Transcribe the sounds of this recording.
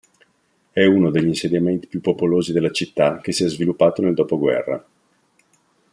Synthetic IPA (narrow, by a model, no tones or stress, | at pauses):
ɛunod̪eʎːinsed̪jament̪i̥pjupːopoloːzid̪elːat͡ʃit̪ːak̟esiɛzvilupːaːt̪oneld̪oːpoɡwɛ̰rːa̰